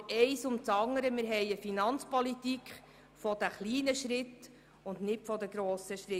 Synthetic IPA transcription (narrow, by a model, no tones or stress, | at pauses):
ɛɪsʊmt͡sɑŋːəɾəmɪɾɦɛɪəfinɑnt͡spɔlitikχ | fɔd̪æχliːnəʃɾɪt̪ | ʊndnɪtfɔd̪əɡɾoːsəʃɾɪ